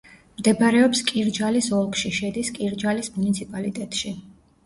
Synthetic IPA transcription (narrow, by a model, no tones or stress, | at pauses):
md̪ɛbaɾɛɔpskʼiɾd͡ʒalisɔlˠkʼʃiʃɛd̪iskʼiɾd͡ʒalismunit̪sʰipʼalit̪ʼɛt̪ʼʃi